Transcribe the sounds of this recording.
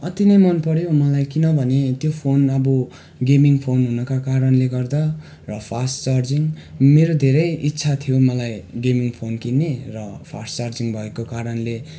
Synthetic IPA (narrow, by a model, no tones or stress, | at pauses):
ʌt̪inʌjmʌnpʌɾjomʌlajkinʌbʱʌnet̪jopʰonʌbo | ɡemiŋpʰonɦunʌkakaɾʌnleɡʌrd̪ʌ | rʌpʰast͡sard͡ziŋmeɾod̪ʱeɾʌjitːsʰat̪ʰijomʌlajɡemiŋpʰonkinːerʌpʰast͡sard͡ziŋbʱʌekokaɾʌnle